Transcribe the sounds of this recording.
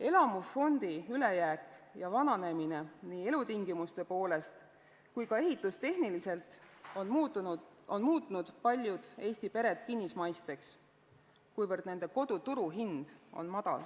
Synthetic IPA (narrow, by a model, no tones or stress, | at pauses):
e̞lɑmusfo̞nd̪̥iyle̞jæːkˑjɑvɑnɑne̞mine̞niːe̞lut̪iŋɡimust̪e̞po̞ːle̞st̪ | kujkɑe̞ɦit̪ːˑust̪e̞hnilise̞lt̪ˑon | o̞nmuːt̪ːˑnud̪̥pɑlʲjud̪̥e̞ːst̪ipe̞ɾe̞t̪kinːismɑjst̪e̞ks | kujvɤrd̪ne̞nd̪̥e̞ko̞d̪̥ut̪uɾuɦind̪̥o̞̰nmɑd̪̥ɑ̰l